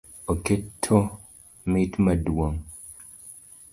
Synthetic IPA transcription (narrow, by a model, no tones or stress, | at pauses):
oketʰːo | mitmədwoŋ